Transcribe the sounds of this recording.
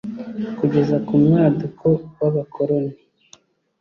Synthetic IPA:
kuɟe̞zakumŋaːdukʰowaβakʰoɾone

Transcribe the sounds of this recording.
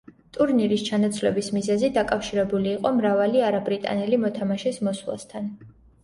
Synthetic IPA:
t̪ʼuɾniɾist͡ʃʰanat̪sʰvlɛ̰bismizɛzid̪akʼafʃiɾɛbuliːqʼɔmɾavaliaɾabɾit̪ʼa̰nɛlimɔt̪ʰamaʃɛsmɔswlˠa̰st̪ʰan

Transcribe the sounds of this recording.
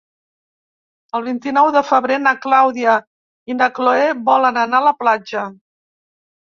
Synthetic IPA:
əlˠβint̪inɔwðəfəβɾenaklawðiə | inəkloeβɔlənənaləplad͡ʒə

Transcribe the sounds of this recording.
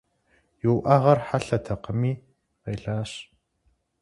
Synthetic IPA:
jɪwʔɐʁɐrħaɬɐtʰɐqəmiː | qeːɮaːɕ

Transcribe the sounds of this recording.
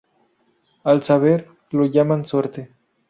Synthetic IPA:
alsaβeɾ | loʝamansweɾt̪e

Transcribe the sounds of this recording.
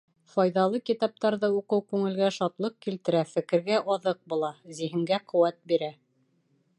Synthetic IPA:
fɑjðɑlˠɤkit̪ɑp̚t̪ɑɾðɤuqɤwkʉŋɘ̆lɡæʃɑt̪lˠɤq̚kilt̪ɘ̆ɾæfɘ̆kɘ̆ɾɡæʔɑðɤq̚bulˠɑziɦɘ̆ŋɡæqɤ̆wæt̪̚biɾæ

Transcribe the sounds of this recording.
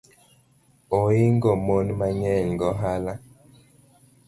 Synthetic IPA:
oiŋɡɔmɔnmaɲɛlŋɡɔɦala

